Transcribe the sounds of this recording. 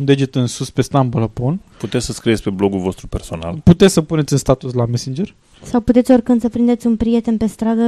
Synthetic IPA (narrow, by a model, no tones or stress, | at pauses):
und̪ed͡ʒet̪ɨnsuspe̞st̪ambolaponput̪et̪sʲsəskɾijet̪sʲpeblo̞ɡulvo̞st̪ɾupe̞rso̞na̰lput̪et̪sʲsəpune̞t̪sʲɨnst̪at̪uslamesind͡ʒer | sawput̪et̪sʲo̞rkɨnd̪səpɾind̪e̞t̪sʲunpɾije̞t̪e̞npe̞st̪ɾad̪ə